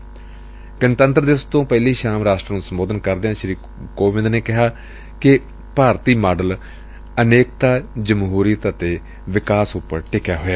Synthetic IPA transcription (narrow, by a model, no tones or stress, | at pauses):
ɡɪnt̪ənt̪ɾəd̪ɪst̪õːpɛːliːʃaːmɾaːʃʈɾəːnũːsəmboːd̪ənkəɾd̪eãːʃɾiː | koːʋɪ̃nd̪neːkɪɦaː | kɪ | paːɾt̪iːmaːɖəl | əneːk̚t̪aːd͡ʒəmɦuːɾiət̪ət̪eː | ʋɪkaːsʊpːəɾʈɪkjaːɦoɛː